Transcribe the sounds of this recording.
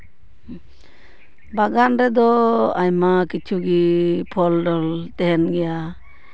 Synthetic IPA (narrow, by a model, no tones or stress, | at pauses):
baɡanɾɛd̪ɔajmakit͡ʃʰuɡipʰɔlɖɔlt̪ɛɦɛnɡɛja